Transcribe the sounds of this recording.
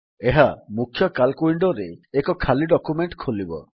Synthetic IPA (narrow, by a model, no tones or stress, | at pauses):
eɦamukʰːjɔkalkuiɳɖɔɾeːkɔkʰaliɖɔkumeɳʈkʰolibɔ̰